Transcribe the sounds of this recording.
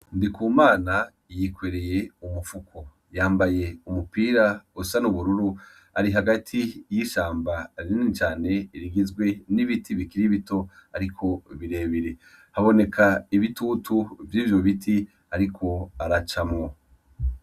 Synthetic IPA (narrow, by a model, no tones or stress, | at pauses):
ndikuːmaːna | jikweɾe̞je̞umufukʰo | jaːmbaje̞umupiːɾausanuβuɾuɾu | aɾiɦaɡatʰijiʃaːmbaɾinint͡ʃaːne̞iɾiɡizɡwe̞niβitʰiβikiɾiβito̞aɾikʰo̞βiɾe̞ːβiɾe̞ | haβo̞ne̞kʰaiβituːtʰuvjiːvjo̞βiti | aɾikʰo̞aɾat͡ʃamŋo